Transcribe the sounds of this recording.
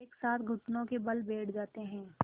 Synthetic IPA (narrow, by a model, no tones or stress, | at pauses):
eːksaːt̪ʰɡʱʊʈnõkebɐlbʱeːʈʰd͡ʒaːt̪eɦɛ̃ː